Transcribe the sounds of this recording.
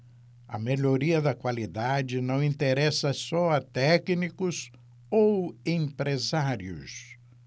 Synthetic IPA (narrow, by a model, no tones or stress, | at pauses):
ɐ̰meʎoɾiɐd̪ɐkwalid̪ad͡ʒɪnɐ̃w̃ĩnt̪eɾɛsɐsɔɐt̪ɛknikʊs | owẽpɾezaɾjʊ̰s